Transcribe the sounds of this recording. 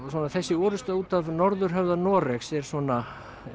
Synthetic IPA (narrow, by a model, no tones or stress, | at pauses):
swɔːnaθɛsːɪɔːɾʏst̪auːt̪avnɔɾðʏɾ̥ɦœvðanɔːrɛksɛɾ̥sɔːna